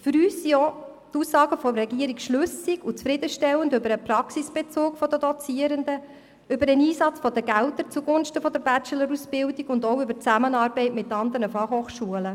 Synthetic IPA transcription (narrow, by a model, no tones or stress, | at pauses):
fʏɾyːsijɔ | tusːɑːɡəfɔmrɛɡiəɾikʃlʉsiɡut͡sfɾɪd̪əʃtɛlːəndʏbəɾəpɾɑksisb̥ɛt͡soːkfɔd̪ədɔt͡siəɾənd̪ə | ʏbəɾəniːsɑt͡sfɔd̥̪əɡælt̪əɾt͡suɡʊnʃtəfɔd̪əɾbæt͡ʃələɾusb̥ɪldiɡʊndɔʊʏbət͡sæmənɑːɾbɛɪtmɪt̪ːɑnd̪əɾnəfɑχhoːχʃuələ